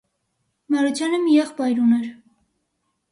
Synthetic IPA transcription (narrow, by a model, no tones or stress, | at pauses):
mɑɾɔt͡sʰjɑnəmijɛχbɑjɾunɛɾ